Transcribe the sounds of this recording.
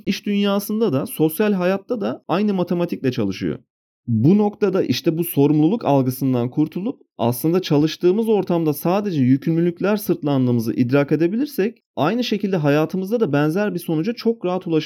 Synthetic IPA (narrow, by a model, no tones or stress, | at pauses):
iʃd̪ynjaːsɯnd̪ad̪aso̞sjalʲɦajat̪ːad̪aajnɯmat̪ʰe̞mat̪ʰic̚lʲɛt͡ʃʰa̰lˠɯʃɯ̰jo̰ | buno̞kt̪ʰad̪aʔiʃt̪ʰɛbuso̞ɾumlˠulˠuka̰lˠɡɯsɯnd̪ankʰuɾt̪ʰulˠup̚a̰slˠɯnd̪at͡ʃʰalˠɯʃt̪ɯːmɯzo̞ɾt̪ʰamd̪asaːd̪e̞d͡ʒɛjycʰynlʲylʲycʲlʲæɾsɯɾt̪ʰlˠand̪ɯːmɯzɯ̰ʔid̪ɾaːke̞d̪e̞bilʲiɾsɛc̚ | ajnɯʃe̞cʰilʲd̪ɛɦajaːt̪ʰɯmɯzd̪ad̪abænzæɾbiso̞nud͡ʒat͡ʃʰo̞kɾaɦat̪ʰulˠaʃ